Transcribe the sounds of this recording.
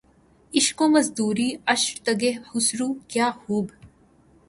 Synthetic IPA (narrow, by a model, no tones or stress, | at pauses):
ɪʃkõːmɐzd̪uːɾiːɐʃɾt̪ɐɡehʊsɾuːkjaːhuːb